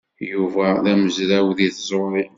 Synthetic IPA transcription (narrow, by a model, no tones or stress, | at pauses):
juvæðæməzɾæwðiθzˤɾoɾi